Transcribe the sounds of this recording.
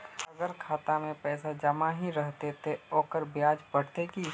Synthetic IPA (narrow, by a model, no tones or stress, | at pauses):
ɐɡəɾkʰaːt̪amẽpɛːsad͡ʒɐmaɦiɾəɦt̪et̪eoːkəɾbjaːd͡ʒbəɽ̤t̪ekiː